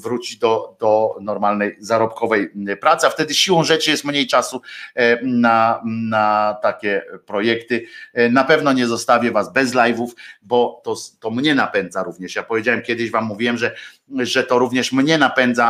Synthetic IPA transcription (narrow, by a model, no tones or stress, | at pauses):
vɾut͡ɕid̪ɔd̪ɔnɔɾmalnɛjzaɾɔpkɔvɛjpɾat̪sɨaft̪ɛd̪ɘɕiwɔ̃w̃ʐɛt͡ʂɘjɛst̪mɲejt͡ʂasu | nanat̪akʲɛpɾɔjɛkt̪ɘnapɛvnɔɲɛzɔst̪avʲɛvazbɛzlajvufbɔt̪ɔt̪ɔmɲɛnapɛnd̪zaɾuvɲɛʂjapɔvʲed͡ʑawɛmkʲjɛd̪ɘɕvamːuvʲiwɛmʐɛ | ʐɛt̪ɔɾuvɲɛʂmɲɛnapɛnd̪za